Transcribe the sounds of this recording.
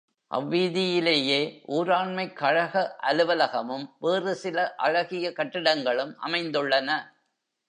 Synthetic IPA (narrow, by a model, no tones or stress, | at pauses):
ʔɐ̰ʋːiːðɪjɪleːjeːʔuːɾaːɳmɐɪkːɐɻɐɣɐʔɐlɯʋɐlɐɣɐmɯmʋeːrɯsɪlɐʔɐɻɐɣɪjɐkɐʈːɪɽɐŋɡɐɭɯmʔɐ̰mɐɪnd̪ɯɭːɐnɐ